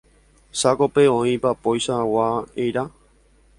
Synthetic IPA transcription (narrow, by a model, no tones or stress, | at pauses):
sakope̞õĩpapojʃawaejɾa